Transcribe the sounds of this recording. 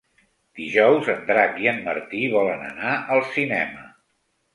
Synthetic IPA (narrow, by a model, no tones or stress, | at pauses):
d̪̥iʒɔwzənd̪ɾakiənmə̰rt̪iβɔlənə̰naʔəlˠsinɛmə